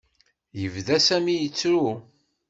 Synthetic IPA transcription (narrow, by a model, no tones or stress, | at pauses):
jəvðæsæmijət͡sːɾu